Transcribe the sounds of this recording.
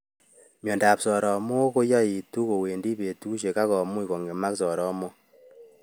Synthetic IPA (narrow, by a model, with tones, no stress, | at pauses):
mjɔ˨ndaː˨psɔ˨ɾɔ˨mo˦ko˦jɔ˦i˨tu˦ko˨we˨ndi˦pe˨tu˦ʃe˨ka˦kɔ˨mu˦i˨kɔ˨ŋɡe˨ma˦ksɔ˨ɾɔ˦mo˦